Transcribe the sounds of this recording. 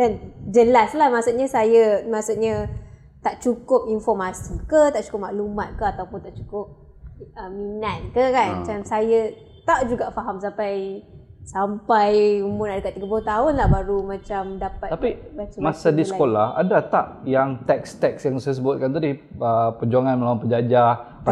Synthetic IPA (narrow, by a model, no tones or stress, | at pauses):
dand͡ʒəlaslahmasuʔɲasajamasuʔɲa | t̪aʔt͡ʃukʊp̚infɔrmasikət̪aʔt͡ʃu̥kʊp̚maʔlumat̪̚kəat̪awpʊnt̪aʔt͡ʃukʊp̚ | əminat̪̚kəkanat͡ʃamsaja | t̪aʔd͡ʒuɡaʔfaɦams̬apajsampajumʊnadəkat̪̚ːiɡəpuət̪aɦʊnlahbaɾumãt͡ʃamdapat̪apibatumasadisəkolaha̰dat̪aʔjaŋt̪ɛkst̪ɛksjaŋsajəs̬əbʊt̪̚kant̪adiəpəd͡ʒuaŋanməlawanpəd͡ʒad͡ʒa